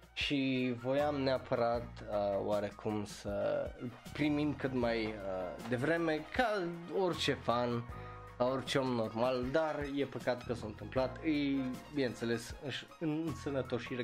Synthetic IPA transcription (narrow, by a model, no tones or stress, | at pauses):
ʃivo̞jamneapʰəɾat̪əw̰aɾe̞kʰumsə | pɾimind̪kɨt̪majəd̪e̞vɾe̞me̞kʰao̞rt͡ʃe̞fan | kao̞rt͡ʃeo̞mno̞rmald̪arje̞pəkat̪kəsoɨnt̪ɨmplat̪ɨjbinent̪sele̞sɨʃ | ɨnnsənət̪o̞ʃiɾe